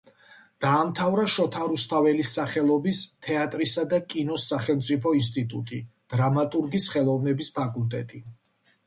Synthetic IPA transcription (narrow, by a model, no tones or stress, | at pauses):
d̪̥aːmt̪ʰavɾaʃɔt̪ʰaɾust̪ʰavɛlisːaχɛlˠɔbist̪ʰɛat̪ʼɾisad̪akʼinɔsːaχɛlˠmt̪sʼipʰɔinst̪ʼit̪ʼṵt̪ʼid̪̥ɾamat̪ʼuɾɡisχɛlˠɔvnɛbispʰakʼult̪ʼɛt̪ʼi